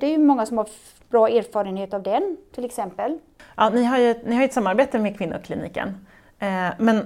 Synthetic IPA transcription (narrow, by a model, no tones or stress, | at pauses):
d̪̥ɛæɾjɵmɔŋːasɔmhaɾ | b̥ɾɑːeːɾfɑːɾənheːt̪avd̪ɛnt̪ʰɪlɛksɛmpəl | ʔɑːnɪɦaɾjɛt̪nɪhaɾjʏɛt̪samːaɾbeːt̪əmɛkʰvɪnːʊ̰ɔkʰlḭnḭːkə̰n | mɛn